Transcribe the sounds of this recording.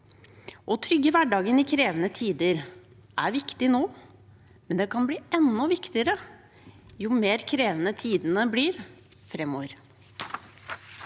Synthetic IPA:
ʔɔt̪ʰɾʏɡəʋæɖɑːɡənɪkʰɾeːʋənət̪ʰiːd̪əɾ | ʔæɾʋɪkt̪ɪnoː | mɛnd̪ɛkʰɑnbliːɛnːɔʋɪkt̪ɪəɾə | juːmeːɾkʰɾeːʋənət̪ʰiːd̪ənəbliːɾ | fɾɛmːoːʋəɾ

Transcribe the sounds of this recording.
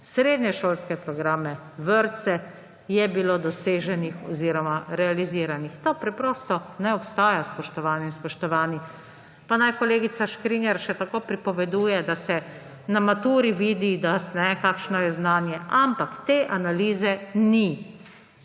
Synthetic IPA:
sɾeːd̪ɲɛʃoːlskɛpɾɔɡɾaːmɛʋəɾt̪sɛ | jɛbilod̪ɔseːʒɛnixɔziːɾɔmaɾɛaliziːɾanixt̪oːpɾɛpɾɔːst̪ɔnɛɔpst̪aːjaspɔʃt̪ɔʋaːninspɔʃt̪ɔʋaːni | panajkɔleːɡit̪saʃkɾinjɛɾʃɛt̪akoːpɾipɔʋɛd̪uːjɛd̪asɛ | namat̪uːɾiʋiːd̪id̪asnɛkaːkʃnɔjɛznaːnjɛampakt̪eːʔanaliːzɛni

